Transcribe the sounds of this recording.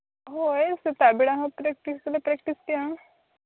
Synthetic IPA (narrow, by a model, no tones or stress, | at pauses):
ɦoeset̪abiɽãɦãpɾɛk̚ʈislepɾɛkʈist̪iã